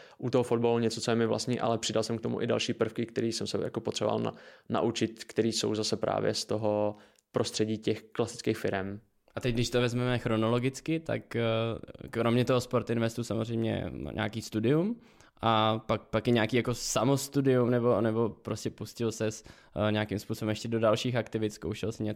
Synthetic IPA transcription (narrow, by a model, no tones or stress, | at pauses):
ʔut̪oɦofod̪̚baluɲɛt͡sot͡sojɛmɪvla̰st̪ɲiːʔa̰lɛpr̝̥ɪdalsɛmk̚t̪omṵʔɪda̰lʃiːpr̩fkɪkt̪ɛɾiːsɛmsɛja̰kopot̪r̥ɛbo̰va̰ln̰na̰ʔut͡ʃɪt̪kt̪ɛɾiːso̞̰wzasɛpɾʔa̰ːvjɛ̰st̪oɦo | pɾʔost̪r̝̥ɛɟiːcɛxklasɪ̥t͡skejxfɪɾɛm | ʔat̪ɛc̚ɡdɪʃt̪ovɛzmɛmɛxɾo̞nolo̞ɡɪt͡skɪt̪a̰k | kɾo̞mɲɛt̪oɦospo̞ɾt̪ɪnvɛst̪usamo̞zr̝ɛjmɲɛ̰ɲʔa̰ːkiːst̪udɪum | ʔapak̚pakjɛɲaːkiːjako̞samost̪udɪumnɛbo̞nɛbo̞pɾoscɛpuscɪlsɛs | ɲakɪmspuːsobɛmjɛʃcɛdo̞dalʃiːxakt̪ɪvɪt̪skowʃɛlsɛɲɛ